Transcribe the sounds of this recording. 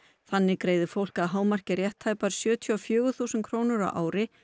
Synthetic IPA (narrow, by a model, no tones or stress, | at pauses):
θanːɪkɾeːjðʏfowl̥kaðɦaːwmar̥cɪɾjɛht̪ʰːaːjpaɾ̥sjœːt̪ʰjiɔfjœːɣʏθuːsʏnkʰɾownʏɾa̰wʔa̰ːwɾɪ